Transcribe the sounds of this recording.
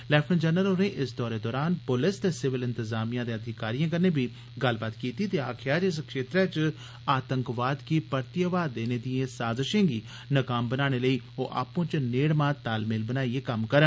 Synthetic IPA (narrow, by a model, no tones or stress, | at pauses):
lɛːpʰənd͡ʒənəlonẽːʔɪsd̪ɔːɾeːd̪ɔːɾaːnpʊlɪst̪eːsɪʋɪlɪnt̪əzaːmijãːd̪eːəd̪ʱɪkaːɾijãːkəɾneːbʱiː | ɡəlbaːt̪kiːt̪iːt̪eːaːkʰɪjaːd͡ʒɪs̬kʃeːt̪ɾɛːt͡ʃ | aːt̪ə̃ŋkʋaːd̪kiːpəɾt̪ɪjaːʋaːd̪ːeːneːd̪ijẽːsaːzəʃẽːɡiː | nəkaːmbənaːɽ̃eːləiː | oːʔa̰ːpõːt͡ʃneːɽmãːt̪aːlmɪlbənaːieːkəmkəɾən